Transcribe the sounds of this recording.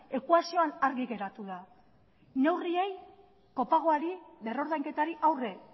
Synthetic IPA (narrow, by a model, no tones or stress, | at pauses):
e̞kuasio̞anaɾɣiɣe̞ɾat̪uð̞a | ne̞wrie̞j | ko̞paɣ̞o̞aɾiðe̞ro̞ɾðajŋke̞t̪aɾiʔawre̞